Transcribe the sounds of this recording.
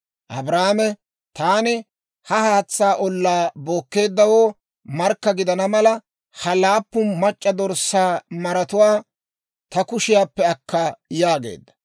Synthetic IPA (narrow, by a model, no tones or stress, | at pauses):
ʔɐbɾaːmɛ | t̪aːnɪ | hɐhaːt͡sːaːʔɔlːaːbo̞ːkːe̞ːd̪ːɐwo̞ː | mɐɾkːɐɡɪd̪ɐnɐmɐlɐ | hɐlaːpːʊnmɐt͡ʃʼːɐd̪ɔɾsaːmɐɾɐt̪ʊwaː | t̪ɐkʊʃɪjaːpːɛɐkːɐjaːɡe̞̰ːd̪ːɐ̥